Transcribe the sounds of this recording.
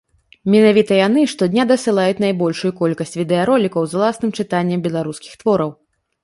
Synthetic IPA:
mʲɛnavʲit̪ɐjan̪ɨʂt̪ɔd̪ʲnʲad̪ɐsɨlˠajut͡sʲnajbɔlʲʂujukɔlʲkɐsʲt͡sʲvʲid̪ɛaɾɔlʲikɐwzwlˠasnɨmt͡ʂɨt̪anʲːɛmbʲɛlˠaɾuskʲixt̪vɔɾɐw

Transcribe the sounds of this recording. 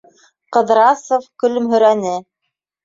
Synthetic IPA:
qɤ̆ðɾɑsofkɵ̆lɵ̆mɦɵ̆ɾænɘ

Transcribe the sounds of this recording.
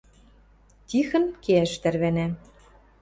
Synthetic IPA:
t̪ʲixə̆nkeæʃt̪ærβænæ

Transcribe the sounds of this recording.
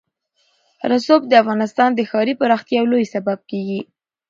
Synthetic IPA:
ɾasob̚d̪əafɣɑnɪst̪ɑnd̪əxɑɾipəɾɑxt̪jɑwlojsabab̚keɡi

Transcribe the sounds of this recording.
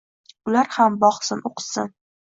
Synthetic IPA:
ʊlaɾhambɒχsɪnʔoqʰsɪn

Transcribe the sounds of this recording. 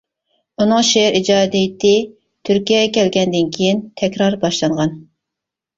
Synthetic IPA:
unɨŋʃeɾʔid͡ʒɑːd̪ijt̪ʰɪ | t̪ʰyɾkʲijɛɡʲɛkʲʰɛlɡʲɛnd̪ɪnkʲʰejint̪ʰɛkʲɾɑɾbɑʃlˠɑɴʁɑn

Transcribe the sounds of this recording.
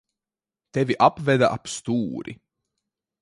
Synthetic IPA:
t̪evʲiʔapvɛd̪aʔapst̪uːɾḭ

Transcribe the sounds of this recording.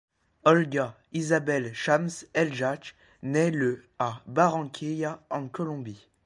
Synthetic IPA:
ɔlɡa | izabɛlʃamsɛlʒak | nɛləabaʁɑ̃kʲʰejaɑ̃kɔlɔ̃bi

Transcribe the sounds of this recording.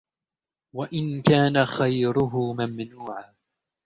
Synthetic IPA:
waʔɪnkaːnaxajɾʊɦʊmamnuːʕaː

